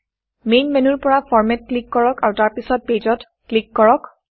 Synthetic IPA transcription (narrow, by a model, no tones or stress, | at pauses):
mejnmɛnuɹpɔɹafʰɔɹmɛt̚klikːɔɹɔkaɹutaɹpisɔt̚ped͡ʒɔt | klikːɔɹɔk